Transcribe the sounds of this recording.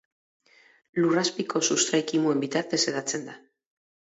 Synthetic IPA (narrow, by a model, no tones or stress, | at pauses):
luraspikʰo̞sust̪ɾajkimue̞mbit̪aɾt̪e̞se̞ðat͡se̞nd̪a